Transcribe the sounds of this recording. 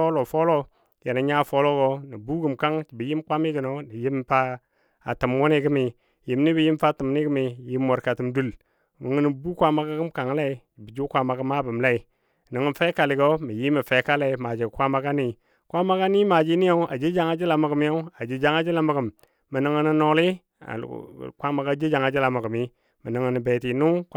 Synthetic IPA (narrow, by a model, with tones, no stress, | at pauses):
o˦lo˨fo˦lo˦ | je˨na˨ɲa˦˨fo˦lo˦ɡo˦ni˨bu˦ɡə˨mka˦ŋt͡ʃi˨bi˨ji˦mkʷa˦mi˦ɡi˨no˨ni˨ji˦mfa˦ | a˨tə˨mwu˦ni˦ɡə˦mi˨ | ji˨mni˦bi˨ji˦mfa˦ti˨m˨ni˦ɡə˦mi˨ji˦mːo˨ɾka˨tu˨mdu˦l | mə˨ŋə˦ni˨bu˦kʷa˦ma˨ka˦ɡə˦mka˨ŋ˦la˦i˨˦d͡ʒi˨bi˨d͡ʒu˦kʷa˨ma˨ɡə˦ma˦bə˨mla˦i˨ | nə˨ŋə˦fe˦ka˨li˨ɡo˦mi˨ji˦mə˨fe˨˦ka˦le˨ma˨d͡ʒi˨kʷa˦ma˦ka˦ni˨ | kʷa˦ma˦ka˦ni˦ma˨d͡ʒi˦ni˦jo˦a̰˨d͡ʒi˦d͡ʒa˨˦ŋa˦d͡ʒi˦la˨ma˨ɡə˨m˦jo˦a˨d͡ʒi˨d͡ʒa˦ŋa˦d͡ʒi˦la˦mə˨ɡə˨mː | ə˨nə˦ŋə˦ni˦no˦li˦ | a̰˨kʷa˦ma˨ɡa˦d͡ʒi˦d͡ʒa˨ŋa˨d͡ʒi˦la˨mə˨ɡə˨mi˦ | mə˨nə˨ŋə˨nə˨be˨ti˨nu˦